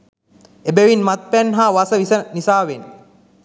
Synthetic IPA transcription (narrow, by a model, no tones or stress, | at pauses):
ebeʋinmat̪̚pænɦaːʋasəʋisənisaːʋen